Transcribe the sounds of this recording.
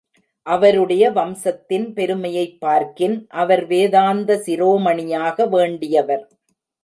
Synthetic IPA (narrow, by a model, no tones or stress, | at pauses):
ʔɐʋɐɾɯɽɐjɐʋɐmsɐt̪ːɪnpɛɾɯmɐjɐɪpːaːɾkɪnʔɐʋɐɾʋeːðaːnd̪ɐsɪɾoːmɐɳɪjaːɣɐʋeːɳɖɪjɐʋɐɾ